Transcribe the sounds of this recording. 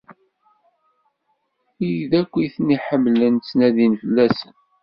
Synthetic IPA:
ijðækʷːiθniħəmːlənt͡sːnæðinfəlːæsən

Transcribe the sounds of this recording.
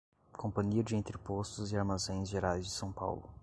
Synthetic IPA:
kʰõpɐ̃ɲiɐd͡ʒɪẽnt̪ɾɪpost̪ʊzɪaɾmazẽj̃zʒeɾajzd͡ʒɪsɐ̃w̃pa̰wlʊ̰

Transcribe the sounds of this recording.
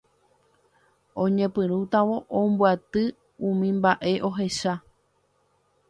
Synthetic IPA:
õɲẽ̞pɨ̃ɾ̃ũt̪ãʋo̞ʔõmbwat̪ɨ | ũmĩmbaʔe̞ʔo̞ɦe̞ʃa

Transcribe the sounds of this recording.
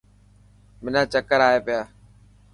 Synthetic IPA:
mɪnãːt͡ʃəkəɾaːeːpɪjaː

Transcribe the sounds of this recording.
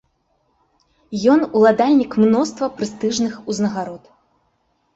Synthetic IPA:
jɔnulˠad̪alʲnʲikmnɔst̪vɐpɾɨst̪ɨʐnɨxuznɐɣaɾɔt̪

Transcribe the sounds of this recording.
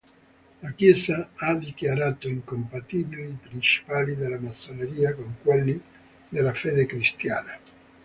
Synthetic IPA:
lakjɛːsaad̪ikjaɾaːt̪oiŋkompat̪iːbiliipɾint͡ʃi̥paːlid̪elamasːoneɾiːakoŋkwelːi | d̪elafed̪ekɾist̪jaːna

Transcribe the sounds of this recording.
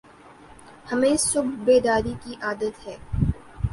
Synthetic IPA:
hɐmẽsʊbʱbeːd̪aːɾikiʔaːd̪ət̪ɦɛː

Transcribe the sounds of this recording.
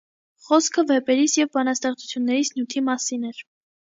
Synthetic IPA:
χɔskʰəvɛpɛɾisjɛvbɑnɑst̪ɛχt͡sʰu̥t͡sʰjunːɛɾisnjut̪ʰimɑsinɛɾ

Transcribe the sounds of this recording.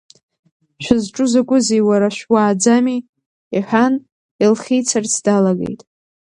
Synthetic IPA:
ʃᶣʷɪzʈ͡ʂʼʊzakʷʼʊzijwaɾaʃʷᶣwaːd͡zami | iħᶣan | ilχʲijt͡sʰart͡sʰdalaɡḛjtʼ

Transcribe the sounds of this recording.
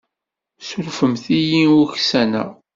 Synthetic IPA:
sʊɾfəmθijiuçsænæ̰

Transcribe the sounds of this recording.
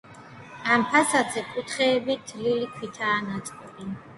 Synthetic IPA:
ampʰasad̪zɛkʼut̪ʰχɛːbid̪lilikʰwit̪ʰaːnat̪sʼqʼɔbɛn

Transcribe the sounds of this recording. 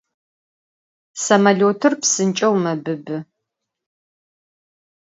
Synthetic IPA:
sɐmɐloːtʰɨrpsɨnt͡ʃʼɐwmɐbɨbɨ

